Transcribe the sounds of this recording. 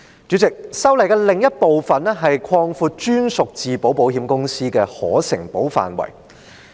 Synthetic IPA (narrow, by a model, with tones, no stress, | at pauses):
t͡ʃyː˨˥t͡sɪ˨k̚sɐ˥wlɐ˨˩jkɛː˧lɪ˨ŋjɐ˥t̚po˨wfɐ˨nɛ˥ɦɐ˨jkʰɔː˧ŋfuː˧t̚t͡ʃyː˥nsʊ˨k̚t͡siː˨po˨˥wpo˨˥wɦiː˨˧˥mkʊ˥ŋsiː˥kɛː˧hɔ̰ː˨˥sɪ̰˨˩ŋpo˨˥wfa̰ː˨nwɐ̰˨˩j